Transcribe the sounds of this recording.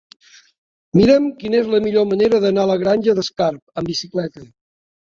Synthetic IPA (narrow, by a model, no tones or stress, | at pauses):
miɾəmkinezləmiʎoməneɾəðənaləɣɾanʲʒəðəskaɾp̚əmbisiklɛt̪ə